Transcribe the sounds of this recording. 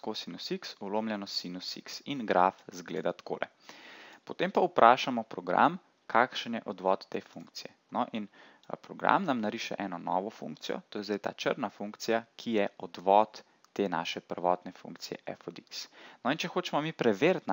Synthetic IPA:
kosinusiksuloːmljɛnɔsinusḭksinɡɾafzɡlḛːd̪at̪ko̰ːlɛ̰ | pɔt̪eːmpaupɾʔaːʃamɔpɾɔɡɾa̰m | kʰakʃənjɛʔɔd̪ʋɔt̪ːeːfuŋkt̪sijɛ | nɔʔin | pɾɔɡɾa̰mnamnaɾiʃɛ̰ʔɛːnɔnɔ̰ːʋɔfṵŋk̚t̪sijɔ̰t̪oːjɛzd̪ajt̪a̰ːt͡ʃə̰ɾnafuŋkt̪sijakʰijɛɔd̪ʋɔt̪ː | ena̰ːʃɛpəɾʋɔːt̪nɛfṵ̃ŋkt̪sijɛ̰ʔɛ̰fɔd̪iksnɔint͡ʃɛxoːt͡ʃɛmɔmipɾɛʋeɾt̪n

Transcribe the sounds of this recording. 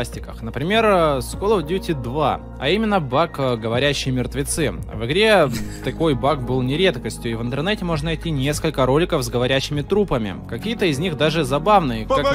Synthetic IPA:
sʲtʲɪkəxnəpɾʲɪmʲe̞rskolˠəvdʲutʲɪd̪va | ɐ̰imʲɪnːəbakɡəvɐɾʲæɕːɪjmʲɪrt̪vʲɪt̪sɨvɨɡɾʲe̞t̪ɐko̞jbakbɨlˠnʲɪɾʲe̞t̪kəsʲtʲjʊivɨnt̪ɨrnɛtʲɪmo̞ʐnənɐjtʲːinʲe̞skəlʲkəɾo̞lʲɪkəvzɡəvɐɾʲæɕːɪmʲɪt̪ɾupəmʲɪ̰kɐkʲijət̪əɪzʲnʲiɣd̪aʐɨzɐbavnɨj

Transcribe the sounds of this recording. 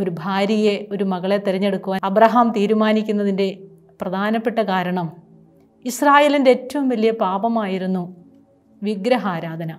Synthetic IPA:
o̞ɾubʱaːɾijeo̞ɾumɐɣɐɭet̪iɾɐɲːe̞ɽukːuʋaːɐbrɐɦaːmt̪iːɾumaːnikʲːunːɐðinde̞ | prɐd̪ʱaːnɐpːe̞ʈːɐkaːɾɐɳɐm | israːje̞ːlindeeːtːɐʋumʋɐlːijɐpaːbɐmaːjiɾunːu | ʋiɡɾɐɦaːɾaːd̪ʱɐnɐ

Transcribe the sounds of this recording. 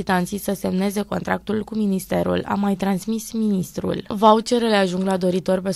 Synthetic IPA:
it̪ant̪sisəse̞mne̞ze̞ko̞nt̪ɾak̚t̪ulkuminist̪e̞ɾṵla̰mːajt̪ɾansmisminist̪ɾṵlvawt͡ʃe̞ɾeleaʒuŋɡlad̪o̞ɾit̪o̞rpe

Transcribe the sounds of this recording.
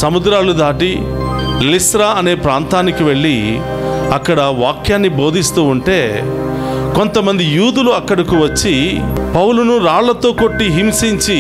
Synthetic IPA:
sɐmud̪ɾaːlud̪aːʈi | lisʈɾaːɐne̞ːpɾaːnt̪aːnikiʋe̞ɭːi | ɐkːɐɽɐʋaːkjaːnːibo̞ːd̪ʱist̪uːɳʈe̞ː | ko̞nt̪ɐmɐnd̪ijuːd̪uluɐkːɐɽɐkuʋɐt͡ʃːipɐwlunuɾaːɭlɐt̪o̞ːko̞ʈːiɦimsiɲt͡ʃi

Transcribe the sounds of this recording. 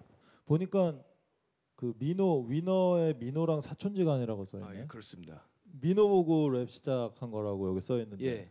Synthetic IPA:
poɲik͈an | kɯminoɥinʌeminoɾaŋsʰat͡ɕʰond͡ʑiɡaɲiɾaɡos͈ʌ̰nːejokɯɾʌs͈ɯmida | minoboɡoɾep̚ɕ͈ʰi̥d͡ʑʰak̚ʰanɡʌɾaɡojʌɡis͈ʌjʌenːɯnje

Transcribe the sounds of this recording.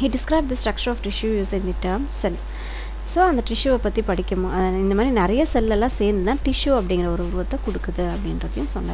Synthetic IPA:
hiːɖɪskɾɐɪb̚d̪ɐsʈɾɐk̚t͡ʃɐɾɔːfʈɪʂjujuːsɪnd̪iʈːɐɾmsɛl | soːɐnd̪ɐʈɪʂjuɛpːɐt̪ːipɐɽɪkʲːɐmʊ̃ɐɪnd̪ɐmaːd̪ɾinɪɾɐjɐsɛlːɛlːãːseːɾnd̪ɯt̪ãːʈɪʂjuɐpːɐɽɪ̃ŋɡɪɾɐɔɾɯʊɾɯʋɐt̪ːɛkʊɽɯkːɐðɯɐpːɐɽɪnɾɐkːɐjʊ̃nsɔnːa̰

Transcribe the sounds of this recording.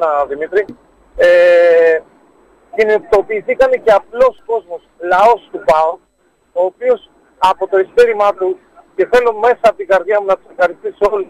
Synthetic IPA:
ɐðimit̪ɾi | e | cinit̪o̞piːθikɐnece̞ɐplo̞sko̞zmo̞slɐo̞st̪upɐo | oːpio̞s | ɐpo̞t̪o̞ist̪eɾimɐt̪u | ce̞θe̞lonme̞sɐɐpot̪iŋɡɐɾðʝɐmunɐt̪u̥sefxɐɾist̪isio̞lu

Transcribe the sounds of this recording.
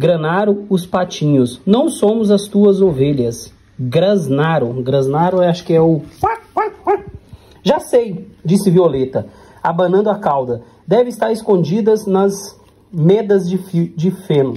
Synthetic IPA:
ɡɾɐ̃naɾʊʊspat͡ʃĩɲʊsnɐ̃w̃sõmʊzɐst̪uɐzoveʎɐs | ɡɾɐznaɾʊɡɾɐ̃znaɾʊaʃʊ̥kɪɛʊpapaa | ʒasejd͡ʒisɪviolet̪ɐ | abɐ̃nɐ̃nd̪ʊakawd̪ɐ | d̪ɛvɪ̃st̪aɾɪskõnd͡ʒid̪ɐznɐz | med̪ɐzd͡ʒɪfid͡ʒɪfẽnʊ

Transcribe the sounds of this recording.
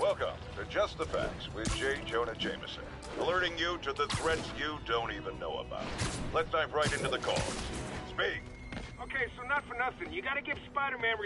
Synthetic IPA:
wɛlˠkə̰̃mtʰɨd͡ʒʌst̪̚ðəfæ̰k̚swɪðd͡ʒeɪd͡ʒõʊ̃nɨ̥d͡ʒẽɪ̃mɨ̰sɨ̰̃n | əlɜ˞ɾɪ̃ŋjɨɾɨðɨθɹɛtsjɨdõʊ̃ntivɨ̃nːoʊə̰ba̰ʊɾlɛtsdãɪfɹaɪɾɪ̃ntʉðɨkʰɔ̰lˠz̥spik | oʊkʰeɪsoʊnətfə˞nʌθɪ̃ŋjɨɡɑɾɨɡɪv̥spaɪɾə˞mɛ̃nɹi

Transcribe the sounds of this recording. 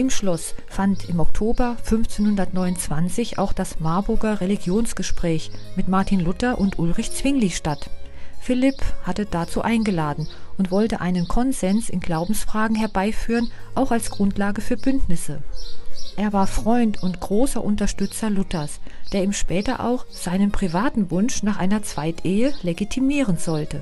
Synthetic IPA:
ʔɪmʃlɔsfantɪmɔk̚tʰoːbɐfʏnft͡senhʊndɐtnɔʏnʊnt͡sv̥ant͡sɪçʔa̰ʊxd̥asmaɐbʊɐɡɐʁeliɡjoːnsɡ̥əʃpʁ̥ɛːçmɪtmaɐtʰinlʊtɐʔʊntʔʊlʁɪçt͡sv̥ɪŋliʃtatfɪlɪphatəd̥at͡suːʔaɪnɡəlaːdn̩ʔʊntv̥ɔltəʔaɪnənkʰɔnzɛnsɪnɡlaʊbm̩sfʁ̥aːɡŋ̩ɦɛɐbaɪfyːʁənʔaʊxalsɡ̥ʁʊntlaːɡəfyːɐbʏntnɪsə | ʔeːɐvaːɐfʁ̥ɔʏntʰʊntɡ̥ʁoːsɐʔʊntɐʃtʏt͡sɐlʊtɐsd̥eːɐiːmʃpɛːtɐ̰ʔa̰ʊxz̥aɪnənpʁ̥ivaːtn̩vʊnʃnaːχʔaɪnɐt͡sv̥aɪtʰʔeːəleɡitʰimiːʁ̞ənz̥ɔltə

